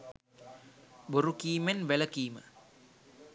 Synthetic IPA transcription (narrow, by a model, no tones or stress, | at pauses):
boɾukiːmenʋeləkiːmə